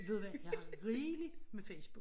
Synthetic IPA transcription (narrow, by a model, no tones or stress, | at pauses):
ʋe̝ð̞̰ˠʋæjɑʁiːli̥mefeɪsb̥u̥